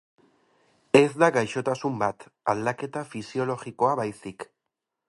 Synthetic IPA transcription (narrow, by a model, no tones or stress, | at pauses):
e̞zd̪aɡajʃo̞t̪asumbat̪ald̪ake̞t̪afisio̞lo̞ɣiko̞aβajsik